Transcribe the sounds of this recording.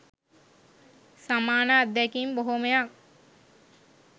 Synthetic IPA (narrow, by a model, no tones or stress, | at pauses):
samaːnaːd̪ɛkimboɦomejak